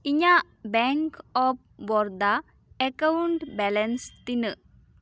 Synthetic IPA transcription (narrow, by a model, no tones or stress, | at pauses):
iɲa | bɛŋkɔp̚ | bɔɾd̪a | ekɐwuɳʈbɛlɐnst̪inɨ